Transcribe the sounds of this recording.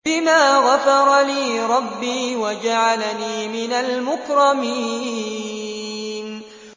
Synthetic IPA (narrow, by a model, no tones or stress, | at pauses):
ɪmaːɣafɑɾˤɑliːɾˤɑbːiːwad͡ʒaʕalaniːmɪnalmʊkɾˤɑmi | n